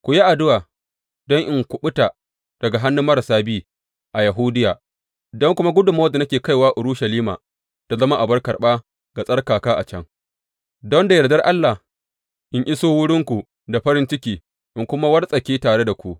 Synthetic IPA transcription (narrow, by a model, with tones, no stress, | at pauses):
kʷu˨ja˦ʔa˨dʊ˦waː˨ | dɔ˦ŋʔɪ˨ŋkʷʊ˨ɓʊ˦ta˨ | d̥ɐ˨ɡa˨ɦa˦nːu˦mːɐ˦ɾɐ˨saː˦biː˦ | ʔa˨ja˨ɦuː˦dɪ˦jaː˨ | dɔ˦ŋkʷʊ˦ma˦ɡʷʊ˦dʊ˨ma˦da˨nɐ˦kʲeː˨ka˦jwaː˦ʔʊ˨ɾuː˦ʃɐ˨liː˦ma̰ː˨ | ta˨zɐ˦ma˦ʔa˨bɐ˦rkɐ˨ɓaː˦ | ɡa˨sʼɐ˦rkaː˨kaː˦ʔa˨t͡ʃɐ˦ŋ | dɔ˦nda˨jɐ˨dɐ˦rʔa˦lːa˨h | ʔɪ˨ŋʔɪ˦soː˦wʊ˦ɽɪ˦ŋkʷu˨ | da˨ɸɐ˦ɾɪ˦nt͡ʃɪ˦kʲiː˨ | ʔɪ˨ŋkʷʊ˦ma˦wɐ˦rsʼɐ˨kʲiː˦taː˨ɽe˦da˨kʷu˦ʔ